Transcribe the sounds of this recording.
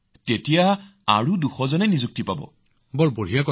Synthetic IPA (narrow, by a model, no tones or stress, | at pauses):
tetijaa̰ɹuduxɔzɔnɛnizuk̚tipabɔ̰ | bɔlbol̤ijakɔ